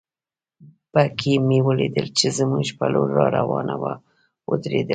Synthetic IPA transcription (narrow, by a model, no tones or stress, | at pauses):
b̥akʰimewəlid̪əlt͡ʃezəmuɡʃpaloːɑɾawɑnawa | wəd̪ɾed̪ə